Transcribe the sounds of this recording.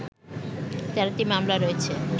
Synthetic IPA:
t̪aɾat̪imamlaɾoet͡ɕʰe

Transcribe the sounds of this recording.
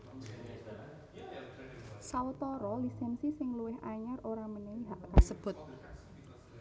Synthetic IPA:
sawət̪ɔɾɔlisɛnsisɪŋluwɪɦaɲaroɾaməneniɦaʔkasəb̥ʊ̤t̪̚

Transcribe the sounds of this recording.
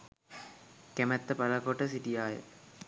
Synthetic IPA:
kæmɛt̪ːəpɐləkoʈəsiʈijaːjə̰

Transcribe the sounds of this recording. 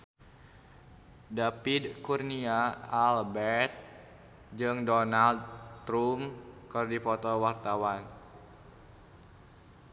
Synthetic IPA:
dapidkurniaalbɛt̪̚ | d͡ʒɨŋdɔnald̪ɾumkɨrdipɔt̪ɔwart̪awan

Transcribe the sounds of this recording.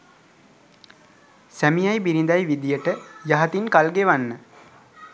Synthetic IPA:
sæmijajbiɾind̪ajʋid̪ijəʈəjaɦat̪inkalɡeʋanːə

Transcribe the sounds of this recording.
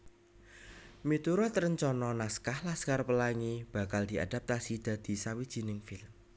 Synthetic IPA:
mit̪uɾɔt̪ɾəɲt͡ʃɔnɔnaskahlaskarpəlaŋib̥a̤kald̪̥i̤a̰d̥̪a̤p̚t̪asid̪̥ä̤d̪̥i̤sawid̥ʒ̥i̤nɪŋfɪlm

